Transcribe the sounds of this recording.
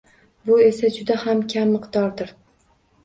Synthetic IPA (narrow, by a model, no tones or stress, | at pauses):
bʊe̞sad͡ʒʊd̪ahamkʲʰamːɨqd̪̥ɒɾd̪ɪɾ